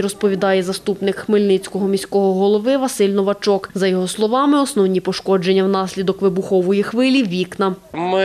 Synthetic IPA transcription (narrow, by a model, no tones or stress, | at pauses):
ɾɔspɔʋʲid̪ɑjɛzɐst̪upnɪkxmɪlʲnɪt͡sʲkɔɦɔmʲisʲkɔɦɔɦɔlˠɔʋɪʋɐsɪlʲnɔʋɐt͡ʃɔkzɐjɔɦɔslˠɔʋɑmɪɔsnɔwnʲipɔʃkɔd͡ʒenʲːɐwn̪ɑsʲlʲid̪ɔkʋɪbʊxɔʋɔjixʋɪlʲiʋʲiknɐm